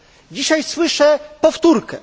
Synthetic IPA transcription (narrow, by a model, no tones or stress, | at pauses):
d͡ʑiɕajswɘʂɛpɔft̪uɾkɛ̰